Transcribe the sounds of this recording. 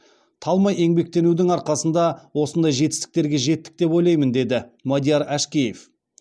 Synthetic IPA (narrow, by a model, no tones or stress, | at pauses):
t̪ʰɑlˠmɑje̞ŋbe̞k̚t̪e̞nud̪ɪŋɑɾqɑsənd̪ɑwo̞sənd̪ɑjʒe̞t̪ɪ̥st̪ɪ̥k̚t̪e̞ɾɡʲe̞ʒe̞t̪ːɪ̥k̚t̪e̞po̞jlˠɑjmənd̪e̞d̪ɪmad̪ijaɾæʃkʲeje̞f